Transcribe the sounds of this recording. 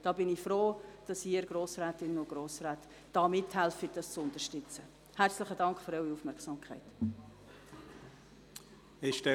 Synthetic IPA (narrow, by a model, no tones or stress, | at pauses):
d̥ɑːbɪnifɾoːd̥ɑsiəɾɡ̥ɾoːsraːtɪnənʊɡ̥ɾoːsraːt | d̥ɑːmɪthɛlfɪtd̥ɑst͡sʊntəʃtʏt͡sə | hært͡slɪχədɑŋkχføɾœɥwiufmɛɾksɑːmkʰχæɪt | ɪʃd̥ɛ